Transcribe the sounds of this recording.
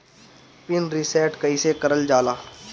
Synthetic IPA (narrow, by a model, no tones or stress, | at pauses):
pɪnɾɪsɛːʈkəisekəɾəld͡ʒaːlaː